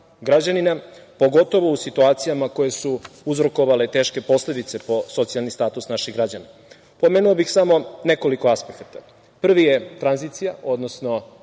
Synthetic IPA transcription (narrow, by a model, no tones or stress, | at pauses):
ɡɾad͡ʑaninapo̞ɡo̞t̪o̞ʋo̞usit̪uaːt̪sijamako̞je̞suuzɾo̞ko̞ʋale̞t̪e̞ːʃke̞po̞sle̞d̪it̪se̞po̞so̞t̪sijalnist̪aːt̪usnaʃiɣɡɾad͡ʑana | po̞me̞ːnuobixsamo̞ne̞ko̞liko̞aspekat̪a | pr̩ʋije̞t̪ɾanzit̪sijao̞d̪nosno